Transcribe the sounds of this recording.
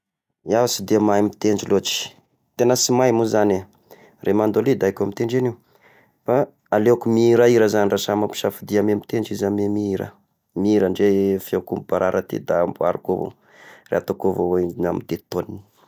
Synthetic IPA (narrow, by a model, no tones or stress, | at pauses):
iasid̪emajmit̪eɳd͡ʒiloʈ͡ʂi̥ | t̪enəsimajmuzane | rʔemand̪olid̪aakʲamit̪eɳɖ͡ʐeni | fa | aleakumiɾaiɾəzanrasamapi̥ʃafid̪iamemit̪enɖ͡ʐizamemiɾə̰ | miiɾəɳɖ͡ʐefakumbubaɾaɾʔət̪ḭd̪amboa̰ɾukovo̰ | rḛat̪akovowoiinamid̪̥et̪onini̥